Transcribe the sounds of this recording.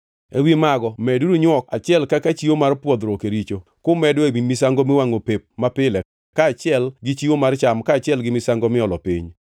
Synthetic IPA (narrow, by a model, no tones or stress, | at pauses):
ḛwimaɡɔmɛduɾuɲwɔkat͡ʃɪɛlkakat͡ʃiomarpwɔd̪ɾokeɾit͡ʃokʊmɛdwebimisaŋɡomɪwaŋopep̚mapɪlɛ | kaːt͡ʃɪɛlɡɪt͡ʃiwomart͡ʃamkaːt͡ʃɪɛlɡɪmɪsaŋɡomɪɔlɔpḭɲ